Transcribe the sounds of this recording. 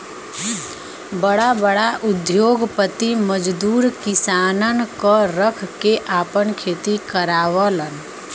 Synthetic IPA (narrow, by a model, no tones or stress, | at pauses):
bəɽabəɽaʔʊd̪joːɡpət̪iməd͡ʒd̪uːɾkɪsaːnənkoɾəkʰkeʔaːpənkʰeːt̪ikəɾaːʋələn